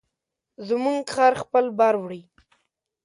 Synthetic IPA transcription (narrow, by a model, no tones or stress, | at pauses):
zmuŋɡxɑɾxpəlbaɾwɽi